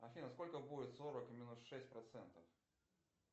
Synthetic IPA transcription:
ɐfʲinɐskɔlʲkɐbud͡zʲɪt̪sɔɾɐkmʲinusʂɛsʲtʲpɾat̪sɛnt̪ɐf

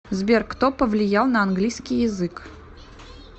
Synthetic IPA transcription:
zbʲerkt̪opəvlʲɪjalˠnəɐnɡlʲijskʲijːɪzɨk

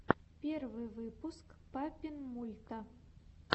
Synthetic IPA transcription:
pʲɛrvɨvɨpuskpapʲinmulʲt̪ɐ

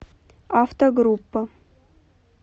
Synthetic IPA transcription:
aft̪oɡrupːɐ

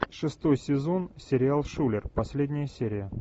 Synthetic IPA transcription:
ʂɨst̪o̞jsʲɪzo̞nsʲɪɾʲɪalˠʂulʲɪrpɐsʲlʲedʲnʲɪjəsʲeɾʲɪjə

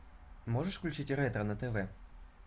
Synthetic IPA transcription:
mɔʒeʂklʲʊt͡ʃɪtʲɾɛt̪ɾɐnɐt̪eʋɛ

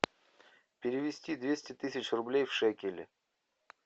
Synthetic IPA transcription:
pʲɪɾʲɪvʲɪsʲtʲid̪vʲesʲtʲɪt̪ɨsʲɪt͡ɕrʊblʲejfʂɛkʲɪlʲɪ̰

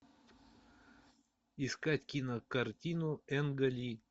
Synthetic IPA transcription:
iskatʲkʲinɐkɐrt̪ʲinuɛnɡɐlʲi

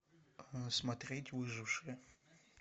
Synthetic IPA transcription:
smɐt̪ɾʲetʲvɨʐɨfʂɨjə

